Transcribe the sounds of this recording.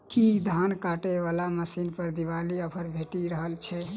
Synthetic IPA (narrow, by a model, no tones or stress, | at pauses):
kid̪ʱankaʈeʋalaməsinpəɾd̪iʋaliəpʰəɾbʱeʈiɾəɦəlt͡ʃʰɛ